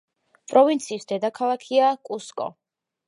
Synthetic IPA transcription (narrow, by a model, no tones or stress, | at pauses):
pʼɾɔvint̪sʰiːsd̪ɛd̪akʰalˠakʰiakʼuskʼɔ̰